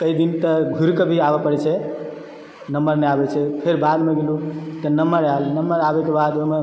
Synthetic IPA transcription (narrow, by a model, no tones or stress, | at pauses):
kəid̪int̪əɡʱuɾkəbʱiabapəɽɛt͡ʃʰɛ | nəmbəɾnəabɛt͡ʃʰɛpʰeɾbad̪meɡelut̪ənəməɾalnəmːəɾabɛkebad̪ome